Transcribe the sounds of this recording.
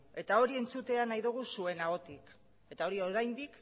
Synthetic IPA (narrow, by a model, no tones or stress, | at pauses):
e̞t̪ao̞ɾie̞nt͡sut̪e̞anajðuɣ̞usue̞naɣo̞t̪ik | e̞t̪ao̞ɾio̞ɾajnd̪ik